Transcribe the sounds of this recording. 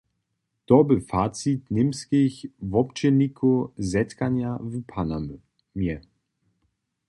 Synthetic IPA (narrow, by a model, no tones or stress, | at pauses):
d̥ɔbəfaːt͡sitnɪmskɪçvɔpt͡ʃɛnikʰozɛt̪kanjavupʰanam | mjɛ